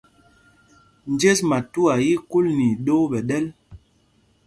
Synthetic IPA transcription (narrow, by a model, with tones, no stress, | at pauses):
n˨d͡ʒe˦sma˨tu˦a˨ji˦ku˦lni˨ɗo˦ɓɛ˨ɗɛ˦l